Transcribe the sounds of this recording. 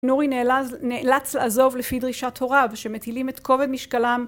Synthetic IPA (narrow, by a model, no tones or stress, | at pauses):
nuʁinnelat͡sleʔazo̞vlefid̪ʁiʃat̪ho̞ʁavʃemet̪ilimet̪ko̞ve̞d̪miʃkalam